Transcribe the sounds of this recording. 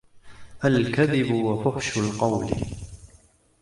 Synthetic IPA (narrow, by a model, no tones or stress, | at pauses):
ʔalkaðɪbʊwafʊħʃʊlqɑwl